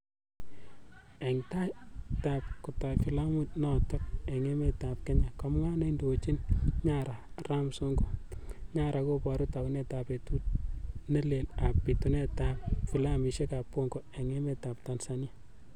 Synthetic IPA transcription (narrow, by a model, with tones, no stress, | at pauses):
ɛ˨ŋta˦ta˨p̚kʊ˨ta˨fi˨la˦mu˦t̚nɔ˨tɔ˦k̚ɛ˨ŋe˦me˦ta˨p̚kɛ˦ɲa˨kɔ˨m˦ŋa˦ne˦indo˨t͡ʃi˦nɲa˦ɾa˨ | ra˦mso˦ŋɡo˦ɲa˦ɾʔa˨ko˦pɔ˨ɾu˦ta˨ku˦nɛ˦ta˨pe˨tu˦t̚ne˦le˨la˨pːi˨tu˨nɛ˦ta˦p̚fi˨la˦mi˨ʃe˦ka˨pːo˦ŋɡɔ˨ɛ˨ŋɛ˦me˦ta˨pta˨nsa˨ni˦a˦